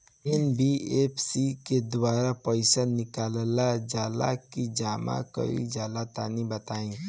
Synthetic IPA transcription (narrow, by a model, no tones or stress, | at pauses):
enbieːpʰsiked̪waːɾapəɪsanɪkaːllad͡ʒaːla̰kid͡ʒaːma̰kə̰ɾḭd͡ʒaːlat̪aːnibət̪aːĩ